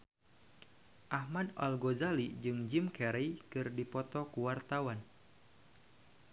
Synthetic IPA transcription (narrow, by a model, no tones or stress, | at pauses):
ʔahmada̰lɡozalid͡ʒɨŋd͡ʒimkɛɾɛjkɨrdipɔt̪ɔkuwart̪awan